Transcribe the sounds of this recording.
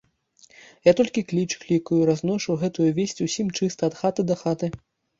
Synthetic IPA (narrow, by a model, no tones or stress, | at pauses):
jat̪ɔlʲkʲiklʲit͡ʂklʲikujuɾaznɔʂɐwɣɛt̪ujuvʲesʲt͡sʲusʲimt͡ʂɨst̪ɐɐt̪xat̪ɨd̪ɐxat̪ɨ